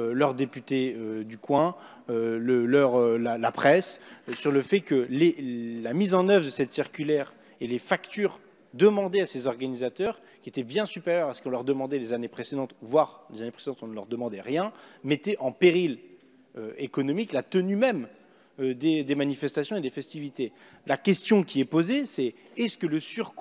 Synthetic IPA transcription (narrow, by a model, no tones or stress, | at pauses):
ølœʁd̪epyt̪eød̪ykwɛ̃ | øləlœʁølalapχɛssyʁləfɛkəlelamizɑ̃nœvʁd̪əsɛt̪siʁkʲylɛʁ | elefakt̪yːʁ | d̪əmɑ̃d̪easezɔʁɡanizat̪œʁ | kʲiet̪ɛbjɛ̃sypeʁjœʁasə̥kɔ̃lœʁd̪əmɑ̃d̪ɛlezanepχesed̪ɑ̃t̪vwaʁlezanepχesed̪ɑ̃t̪ɔ̃nəlœʁd̪əmɑ̃d̪ɛʁjɛ̃mɛt̪ɛʔɑ̃peʁil | øekɔnɔmiklat̪ənymɛm | ød̪ed̪emanifɛst̪asjɔ̃ed̪efɛst̪ivit̪e | lakʲɛst̪jɔ̃kʲiɛpozesɛ | ɛsə̥kələsyʁk